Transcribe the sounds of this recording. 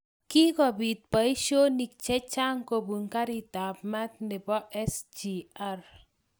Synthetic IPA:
ki˦kɔ˨bi˨t̪̚pa˨i˦ʃo˦ni˨k̚t͡ʃɛ˦t͡ʃa˦ŋko˨bu˨ŋka˦ɾi˨ta˨p̚ma˦t̪̚ndɪ˨pɔ˦ʔɛ˦sd͡ʒi˨a˦r

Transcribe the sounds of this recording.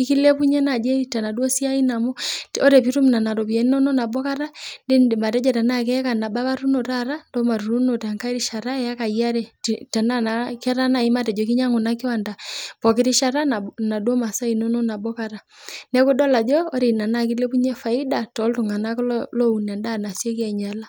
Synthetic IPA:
i˦ki˦lɛ˦pu˦ɲɛ˦na˨d͡ʒɛ˦i˦ta˨na˨dwɔ˦si˦a˦i˦na˨mɔ˦ɔ˦ɾɛ˨pi˦ɾu˦m˨na˨na˨ɾɔ˨pi˨ɛ˨ni˦nɔ˦nɔ˦na˨bɔ˦ka˦ɾa˦de˦n˨ma˨tɛ˦d͡ʒɛ˨ta˨na˦kɛ˦ka˨na˨ba˦βa˦ɾu˦no˨ta˦ɾa˦ndɔ˦ma˨ɾu˨ɾu˦no˨ta˨ŋka˦i˦ɾi˦ʃa˨ɾa˦ɛa˦ka˨ia˦ɾɛ˨ta˨na˦naka˦ɾa˦na˨i˦ma˦tɛ˨d͡ʒɔ˨ki˦ɲa˦ŋo˨na˦ki˦wa˨nda˨pɔ˨ki˦ɾi˦ʃa˦ɾa˦na˨na˨du˦ɔ˦ma˨sa˦i˨nɔ˦nɔ˦na˨bɔ˦ka˨ɾa˨ | nɛ˦ko˦dɔ˦la˨d͡ʒɔː˦ɾe˨na˨na˦ki˦lɛ˦pu˦ɲɛ˦fa˨i˦da˨tɔ˨˦ltu˨ŋa˨na˦kllɔ˦u˨nɛ˨nda˦˨na˨sjɛ˦kɛ˨ɲa˨la˦

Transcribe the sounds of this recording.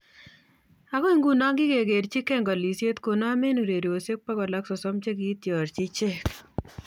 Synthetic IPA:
a˨kɔ˦i˦ŋɡu˨na˦ŋɡɪ˦ke˨ɡe˨ɾt͡ʃɪ˦kɛ˦ŋɡɔ˨li˨sje˦t̪ko˨na˦me˦nu˨ɾe˨ɾo˨se˦k̚pa˦kɔ˨la˦ksɔ˨sɔ˦mt͡ʃe˦k̬i˨˦t̪jɔ˨ɾt͡ʃɪ˦t͡ʃɛ˦k

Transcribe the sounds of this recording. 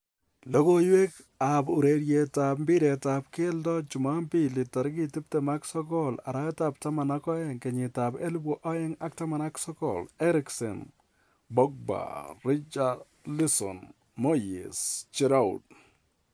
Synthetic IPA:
lo˦ko˦jwe˦k | a˨bu˨ɾe˨ɾje˨ta˨p̚mbɪ˦ɾɛ˨ta˨p̚ke˦ldɔ˦t͡ʃu˨ma˦mpi˦lɪ˨ta˨ɾki˦ti˦p̚tɛ˨ma˦ksɔ˦kɔ˦la̰˨ɾa˦ɛ˦ta˨p̚ta˦ma˨na˦kɔ˦ɛ˨ŋkɛ˨ɲɪ˨ta˨be˦lbwɔ˦ʔɔ˦jɛ˦ŋa˦k̚ta˦ma˨na˦ksɔ˦kɔ̰lɛ˦ɾɪksɛ̰˨n | bɔ˦k̚ba̰˨ɾɪ˦t͡ʃa | li˦sɔ̰˨n | mo˦jḛ˨st͡ʃi˦ɾa˦ṵd̚

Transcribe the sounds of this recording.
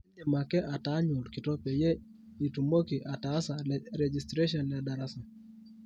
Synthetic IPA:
ni˨ma˨kɛ˦ʔa˨ta˦ɲu˨lki˨tɔ˦pɛ˨jɛ˦ | i˨tu˨mo˦ki˨ʔa˨ta˦sa˨ɾɛd͡ʒi˨stɾe˦ʃɔ˨nja˨da˨ɾa˦sa˨

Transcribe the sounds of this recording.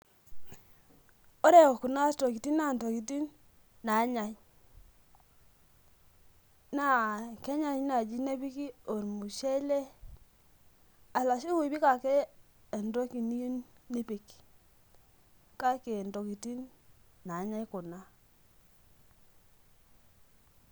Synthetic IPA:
o˦ɾe˦˨ku˨na˦to˨ki˨ti˦na˨nto˨ki˨ti˦n | na˨˦ɲa˨j | na˦˨ke˦ɲa˦˨ɲ˦na˨d͡ʒi˦ne˦bi˦ki˦o˨ɾmu˨ʃe˦le˦ | a˨la˨ʃi˦wi˨bi˦ka˨keː˦˨ | ndo˦ki˨ni˦u˦nni˦pi˨k | ka˦ke˨ndo˨ki˨ti˦nːa˨˦ɲa˦jkʊ˨na˦

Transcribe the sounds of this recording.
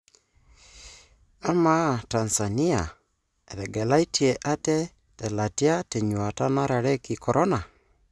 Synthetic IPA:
a˦ma˦ta˨nsa˨ni˦a˨ | e˨ðɛ˨ɡɛ˨la˦i˦tʰi˨e˨ʔa˦tɛ˦ | tɛ˨la˨ti˦a˦te˨ɲwa˨ta˦na˦ɾa˨ɾɛ˦ki˨kɔ˨ɾʔɔ˦na˨

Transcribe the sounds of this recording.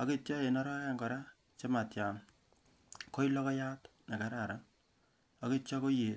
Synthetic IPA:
a˨ke˦t͡ʃɔ˦e˨nɔ˦ɾɔ˦a˦ŋɡɔ˨ɾa˦ | t͡ʃe˦ma˨tja˨n | ko˦i˦lɔ˦kɔ˦ja˦t | na˨ka˨˦ɾa˨ɾa˦ | a˨ke˦t͡ʃɔ˦ko˦je˨

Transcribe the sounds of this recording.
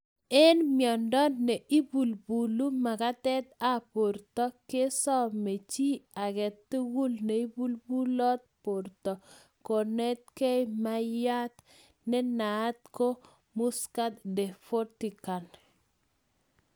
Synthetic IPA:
e˦nmjɔ˨ndɔ˦ne˨ʔi˦bu˨lbu˨lu˦ma˨ka˦t̪ɛ˦t̪a˦po˨ɾtɔ˦ke˦sɔ˦me˨t͡ʃi˦a˨kɛ˨t̪ːɪ˦ɡu˦lne˨i˦bu˦lbu˦lɔ˦t̪̚po˨ɾt̪ɔ˨ | ko˨nɛ˦t̪̚ke˦jma˦ja˦t̪ | nɪ˦na˨˦t̪̚ko˦ | mʊ˦ska˦t̪dɛ˨fo˦ti˨ka˨n

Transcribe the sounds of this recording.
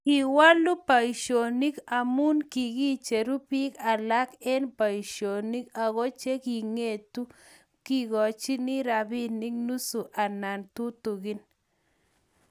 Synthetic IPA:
ki˨wa˦lu˦pa˨i˨ʃo˨ni˦ka˨mu˦nki˨ɣi˦t͡ʃe˨ɾu˦pi˦ka˨la˦kɛ˦npa˨i˨ʃo˨ni˦ka˨ɣɔ˦t͡ʃe˦ki˨ŋe˦˨tu˦ | ki˦ɣɔ˨t͡ʃi˦ni˦ɾa˨bi˦ni˦k̚nu˦su˨ʔa˨na˨ntu˦tu˨ɣɪ˦n

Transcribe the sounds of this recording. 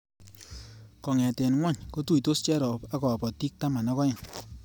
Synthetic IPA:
kɔ˨ŋɛ˨tɛ˨nŋwa˦˨ɲko˦tu˦i˨to˦st͡ʃɛ˦ɾɔ˨pa˦kɔ˨a˨pɔ˨ti˦k̚ta˦ma˨nɔ˦kɔ˦ɪ˨ŋ

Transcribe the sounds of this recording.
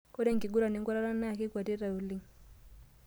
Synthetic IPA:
ko˦ɾe˦ŋki˨ɡu˦ɾa˨ne˦ŋka˦ɾa˦ɾa˦na˦˨ke˦kwa˨te˦ɾa˨u˨li˦ŋ

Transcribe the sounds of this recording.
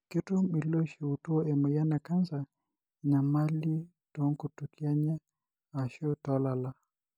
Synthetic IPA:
ki˦tu˦mi˨lɔ˦ʃi˨u˨tu˦ɔ˦ɛ˨mɔ˨ja˦na˨ka˦nza˨ | ɲa˨ma˦li˦ | tɔ˦ŋku˨tu˨ki˦a˦ɲɛ˦ | a˨ʃɔ˦tɔ˦la˨la˨

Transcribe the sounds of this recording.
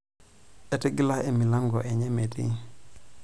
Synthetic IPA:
e˨te˦ɡi˦la˦e˨mi˨la˦ŋɡɔ˨ʔe˨ɲe˦metḭ˦

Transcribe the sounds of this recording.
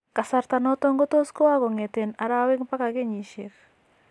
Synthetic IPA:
ka˨sa˨ɾt̪a˨nɔ˦tɔ˦ŋɡo˦to˦sko˦wa˦ɡɔ˨ŋe˨te˨na˨ɾa˦wɪ˦ŋpa˦ka˨ɡe˦ɲi˨ʃe˨k

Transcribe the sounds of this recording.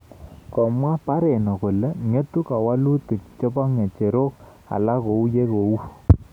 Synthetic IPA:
kɔ˨mwa˦pa˦ɾɛ˨nɔ˨ko˨lɛ˦ŋe˦tu˦ka˨wa˦lu˦tu˨kt͡ʃɔ˦ba˦ŋe˨t͡ʃe˨ɾo˦k̚ | a̰˨la˦ko˨u˦je˦ko˨u˦

